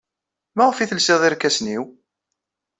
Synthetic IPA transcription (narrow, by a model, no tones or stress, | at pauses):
mæʁəfiθəlsɪðˤɪɾkːæsniw